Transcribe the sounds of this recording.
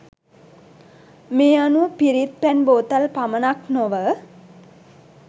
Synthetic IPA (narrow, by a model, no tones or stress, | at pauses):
meːanupiɾit̪̚pænboːt̪əlpamənaknoʋə